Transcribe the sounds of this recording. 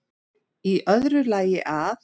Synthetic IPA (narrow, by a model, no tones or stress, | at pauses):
iʔœðɾʏlaːjɪʔaθ